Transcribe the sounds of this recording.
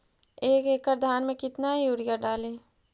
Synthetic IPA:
eːkeːkːəɾd̪ʱaːnmẽkɪt̪naɦijuːɽijaɖaːleː

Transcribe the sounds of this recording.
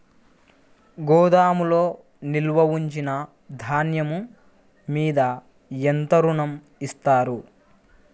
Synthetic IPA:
ɡɔːd̪aːmulo̞ː | nilʋɐʋiɲt͡ʃinɐ | d̪ʱaːnjɐmu | miːd̪ɐ | ent̪ɐɾuɳɐm | ist̪aːɾu

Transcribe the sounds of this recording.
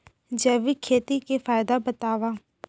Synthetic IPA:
d͡ʒɛʋikʰeːt̪ikefaːɪd̪abət̪aːʋaː

